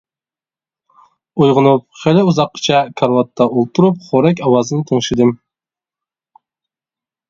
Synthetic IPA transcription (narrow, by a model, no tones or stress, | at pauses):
ujʁʊnup̚χelɪuzɑqːə̥t͡ʃʰɛkʰɑɾwɑt̪ʰːɑʔulˠt̪ʰuɾup̚χoɾɛk̬ʲɑwɑzɨnɨt̪ʰəŋʃɪd̪ɨm